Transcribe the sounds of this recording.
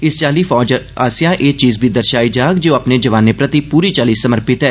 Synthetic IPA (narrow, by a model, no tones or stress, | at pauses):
ɪst͡ʃaːliːfɔːd͡ʒa̰ːsijãːʔeːt͡ʃiːzbʱiːd̪əɾʃaːid͡ʒaːkd͡ʒeapneːd͡ʒəʋaːnːeːpɾət̪ipuːɾiːt͡ʃaːliːsəməɾpɪt̪ɦɛː